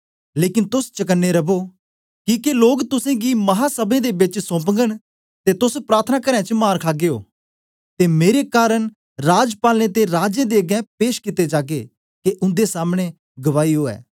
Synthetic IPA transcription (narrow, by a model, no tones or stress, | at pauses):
leːkɪnt̪ʊst͡ʃək̬ənːeɾəboː | kikeloːɡt̪ʊsẽɡiːmɐɦaːsəbẽːd̪eːbɪt͡ʃsɔ̃ːpəŋɡəɽ̃ | t̪eːt̪ʊspɾaːɾt̪ʰənaːkəɾɛ̃ːt͡ʃmaːɾkʰaːɡeo̰ː | t̪eːmeːɾekaːɾəɳ̃ | ɾaːd͡ʒpaːlnet̪eɾaːd͡ʒẽːd̪eːɡɛ̃ːpeːʃkɪt̪eːd͡ʒaːɡeː | keʔʊnd̪esaːmɽ̃e | ɡəʋaːiɦoːɛ̰ː